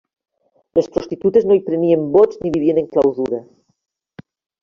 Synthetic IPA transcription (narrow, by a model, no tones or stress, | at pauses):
lespɾost̪it̪ut̪eznoipɾeniembozniβiβieneŋklawzuɾa